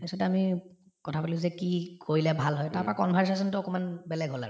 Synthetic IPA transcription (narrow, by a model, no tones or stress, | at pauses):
esɔtɛami | kɔtʰapalʊ̃zɛkikʰoɹilɛbʱalɦɔjtaɹpɔɹakɔnbʱɛɹsas̬ɔntʊɔkɔmanbɛlɛɡʱɦola̰ɹʊ